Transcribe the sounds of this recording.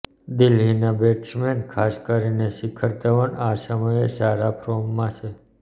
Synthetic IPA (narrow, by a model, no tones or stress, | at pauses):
d̪ɪlɦinabeʈsmenkʰaskəɾineʃikʰəɾt̪əʋəɳasəməesaɾapʰɾomːãt͡ʃʰe